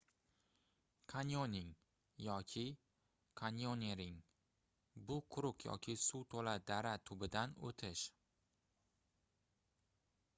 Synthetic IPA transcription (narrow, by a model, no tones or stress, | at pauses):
kʰanjonɪŋ | jɒkʲʰɪ | kʰanjonʲeɾɪŋ | bʊqʰʊɾʊqjɒ̰kʲʰɪsut̪ʰolad̪aɾat̪ʰʊbɪd̪ano̰t̪ʰɪʃ